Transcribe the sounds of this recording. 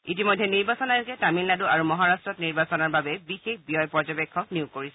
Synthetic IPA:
itimɔjdʱːɛniɹbasɔnajukɛtamiladuaɹumɔɦaɹastɹɔtniɹbasɔnaɹbabɛbixexbijɔjpɔd͡ʒɔbɛkʰːɔkniukːoɹisɛ

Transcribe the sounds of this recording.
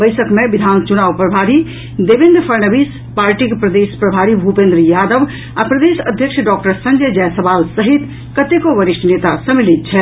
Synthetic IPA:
bəɪsəkmebid̪ʱant͡ʃunaʋpɾəbʱaɾi | d̪ebẽnd̪ɾpʰəɾnəbis | paɾʈikpɾəd̪espɾəbʱaɾibʱupẽnd̪ɾjad̪əʋ | apɾəd̪esəd̪ʱjəkʂʰɖɔkʈəɾsə̃nd͡ʒəd͡ʒɛjsəbalsəɦit̪ | kət̪ekoʋəɾiʃʈʰnet̪asəmilit̪̚t͡ʃʰɛ

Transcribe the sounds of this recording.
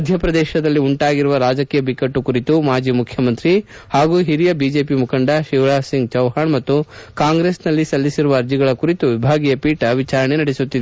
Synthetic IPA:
ɐd̪ʱjɐpɾɐd̪ɛːʃɐd̪ɐlːiuɳʈaːɡiɾuʋɐɾaːd͡ʒɐkiːjɐbikɐʈːukuɾit̪umaːd͡ʒiːmukʰjɐmɐnt̪ɾi | haːɡuːɦiɾijɐbiːd͡ʒe̞ːpimukʰɐɳɖɐʃiʋɾaːsiŋɡ̚t͡ʃɐwɦaːɳmɐt̪ːukaːŋɡɾeːsnɐlːisɐlːisiɾuʋɐːɾd͡ʒiɡɐɭɐkuɾit̪uʋibʱaːɡijɐpiːʈɐʋit͡ʃaːɾɐɳenɐɽesut̪ːid̪e

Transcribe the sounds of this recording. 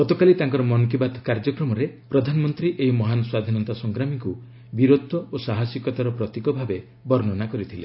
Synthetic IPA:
ɡɔt̪ɔkalit̪aŋkɔɾɔmɔnk̬ibat̪ʰkaɾd͡ʒɔkɾɔmɔɾepɾɔd̪ʱanɔmɔnt̪ɾiʔeɦimɔɦanɔswad̪ʱinɔnt̪asɔŋɡɾamiku | biɾod̪ʱːɔosaɦasikɔt̪aɾɔpɾɔt̪ikɔbʱabe | bɔɾnɔnakɔɾit̪ʰile

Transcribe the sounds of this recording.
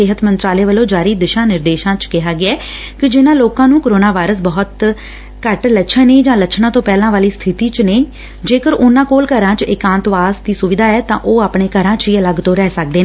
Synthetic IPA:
sɪɦət̪mənt̪ɾaːleːʋəlõːd͡ʒaːɾiːd̪ɪʃãːnɪɾd̪eːʃãːt͡ʃkɪɦaːɡɪaː | kɪd͡ʒɪnãːloːkãːnũːkəɾoːnaːʋaːɪɾəs̬bɔɦʊt̪ | kəʈləʃʰəniːd͡ʒãːləʃʰnãːt̪õːpɛːlãːʋaːliːst̪ʰɪt̪iːt͡ʃneː | d͡ʒeːkəɾʊnãːkoːlkəɾãːt͡ʃɪkãːnt̪ʋaːsd̪iːsʊʋɪd̪ʱaːɛːt̪ãːʔoːaːpɳeːkəɾãːt͡ʃiːələɡt̪oːɾɛːsək̚d̪eːneː

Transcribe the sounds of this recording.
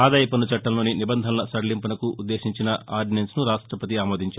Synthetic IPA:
aːd̪aːjɐpɐnut͡ʃɐʈːɐnlo̞ːninibɐnd̪ʱɐnlɐsɐɽɐlimpɐnɐkuud̪ːe̞ːʃiɲt͡ʃinɐʔaːɾɖinensnuɾaːʂʈɾɐpɐt̪̬iaːmoːd̪ʱiɲt͡ʃaːɾ

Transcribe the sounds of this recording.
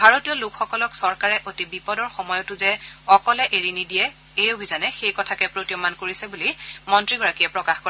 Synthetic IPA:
bʱaɹotijɔlukxɔkɔlɔksɔɹkaɹɛʔotibipɔdɔɹxɔmɔjɔtʊzɛɔkɔlɛʔeɹinidijɛ | ejobʱizanɛxejkɔtʰakɛpɹotijɔmankoɹisɛbulimɔntɹiɡɔɹakiɛpɹɔkaxkɔɹa

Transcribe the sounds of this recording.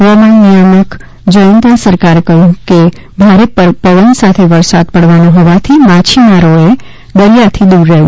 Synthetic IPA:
ɦʋamãnijamək | d͡ʒəjənt̪asəɾkaɾekəɦjũke | bʱaɾeppəʋənsat̪ʰeʋəɾsad̪̚pəɽʋanõɦɔʋat̪ʰimat͡ʃʰimaɾoe | d̪əlijat̪ʰid̪uɾːəɦũ

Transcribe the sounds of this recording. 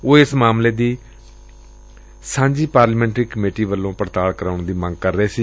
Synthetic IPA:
oːɪsmaːmleːd̪iː | sãːɲd͡ʒiːpaːɾləmɛ̃ːɳʈɾiːkəmeːʈiːʋəlːõːpəɾt̪aːɭkəɾaːʊɳd̪iːmə̃ŋɡ̚kəɾːəeːsiː

